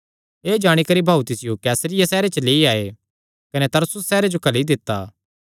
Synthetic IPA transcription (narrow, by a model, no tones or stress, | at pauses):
eːd͡ʒaːɽ̃ikɐɾibʱaːut̪ɪsɪjokɛːsɾɪjasɛːɾet͡ʃəleːiaːe | kɐnet̪ɐɾsʊsːɛːɾed͡ʒokɐlid̪ɪt̪ːa̰ː